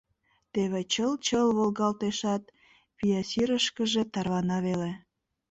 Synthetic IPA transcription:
t̪eβet͡ɕəlt͡ɕəlβolɣɑlt̪eʃɑt̪̚ | pijɑsiɾəʃkəʒe̽t̪ɑrβɑnɑβele

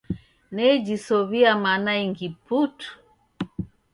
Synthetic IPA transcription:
nɛd͡ʒisɔβiamanaiŋɡiputu̥

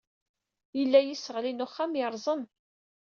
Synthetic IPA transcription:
jəlːæjisəʁlinuχːamjəɾˤzˤən

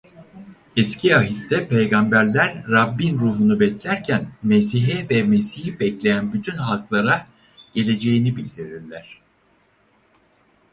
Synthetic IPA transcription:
ɛscʰiaɦit̪ːɛpʰejɡambæɾlʲæɾːabːinɾuːɦunubɛclʲæɾcʰænmesiɦɛvɛmesihibɛclʲe̞jænbyt̪ʰynhalˠklˠaɾa | ɟ̥e̞lʲe̞d͡ʒe̞jinibilʲd̪iɾiɾlʲæɾ̥

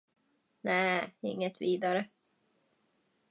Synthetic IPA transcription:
næːɪ̰ŋːət̪viːd̪aɾə

